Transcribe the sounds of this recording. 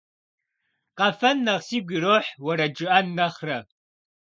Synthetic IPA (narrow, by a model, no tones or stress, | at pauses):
qɐfɐnːɐʁsiːɡʷiɾoːħwɐɾɐd͡ʒɨʔɐnːɐχrɐ